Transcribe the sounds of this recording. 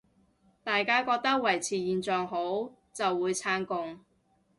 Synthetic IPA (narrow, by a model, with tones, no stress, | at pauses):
t̪aː˨jkaː˥kɔː˧k̚t̪ɐ˥k̚wɐ˨˩jt͡sʰiː˨˩jiː˨nt͡sœː˨ŋɦo˨˥w | t͡sɐ˨wːuː˨˧jt͡sʰaː˥nkʊ˧ŋ